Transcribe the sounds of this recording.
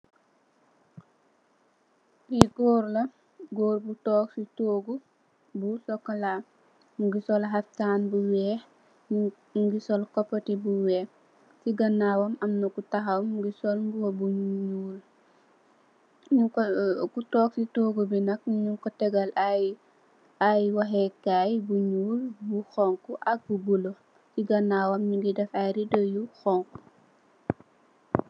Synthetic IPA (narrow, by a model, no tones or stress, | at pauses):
biɡoːɾlɐ | ɡoːɾbutɔːksitoːɡu | busɔkːala | mɡisɔlɦaftaːnbuwɛ | ɡisɔlkɔpːɐtibuwɛː | siɡɐnːawɔmɐmnukutaɦawmɡisɔlɡuwobuɲɲɲuːl | ɲuŋkɔkutɔːk̚sitoːɡubinɐk̚ɲuŋkɔtɛɡɐla | ajwɐɦɛkaːjbuɲuːlbuxɔŋkuʔɐk̚bubulɔ | siɡɐnːawɐmɲiŋɡidɛfajɾidɔjuxɔŋku